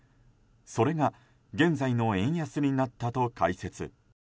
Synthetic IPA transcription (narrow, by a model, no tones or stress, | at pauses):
so̞ɾe̞ɡa | ɡẽ̞nzaino̞ẽ̞ɰ̃jasɨɾ̟ʲinat̪ːat̪o̞ka̰ise̞t͡sɨ̰